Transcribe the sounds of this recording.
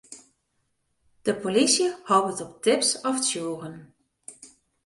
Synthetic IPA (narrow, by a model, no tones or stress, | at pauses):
d̥əpolisjəhɔwpətɔp̚tɪpsɔftsjuːɣən